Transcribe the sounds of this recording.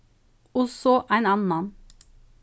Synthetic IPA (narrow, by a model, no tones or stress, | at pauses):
ɔsɔʔæɪnɑːnn̩mɑn